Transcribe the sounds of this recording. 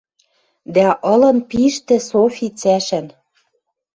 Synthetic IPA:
d̪æʔɤ̆lɤ̆npiʃt̪ɘ̆sofʲit͡sæʃɘ̆n

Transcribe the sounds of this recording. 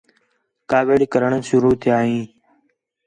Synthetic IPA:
kaːʋeːɽkəɾəɳ̃əʃʊɾuːt̪ʰɪjaːɦĩː

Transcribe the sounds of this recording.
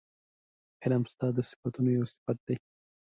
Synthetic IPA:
ɪlamst̪ɑːd̪əsɪ̥fɐt̪unojawsɪ̥fɐt̪̚d̪ɐj

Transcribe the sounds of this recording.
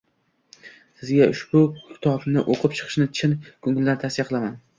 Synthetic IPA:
sɪzɡʲaʊʃbʊkʲʰɪ̥t̪ʰɒbnɪʔoqʰɨpt͡ʃʰɨ̥qʰɨ̥ʃnɪt͡ʃʰɪnkʰʊŋɪlɪd̪ant̪ʰasɪjaqʰɨlˠaman

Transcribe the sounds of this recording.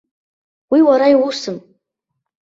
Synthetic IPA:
wiwaɾaiwusɨm

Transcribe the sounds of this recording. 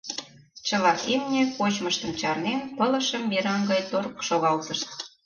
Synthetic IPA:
t͡ɕə̆lɑʔimnʲekot͡ɕməʃt̪ə̆mt͡ɕɑrnenpələ̆ʃəmːiɾɑŋɡɑjt̪orkʃoɣɑlt̪əʃt̪̚

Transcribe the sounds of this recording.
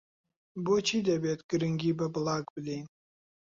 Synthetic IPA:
bot͡ʃʰid̪ʲabʲet̪ɡ̥ɨɾɨŋɡʲibɐblˠaɡbɨlʲenʲ

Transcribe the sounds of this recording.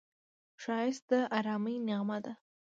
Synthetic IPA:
ʃɑjɪst̪̚d̪əʔaɾɑməjnɪɣmad̪a

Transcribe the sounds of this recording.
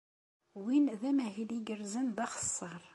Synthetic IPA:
winðæmæɦiliɡəɾzənðɑχə̥sˤːəɾˤ

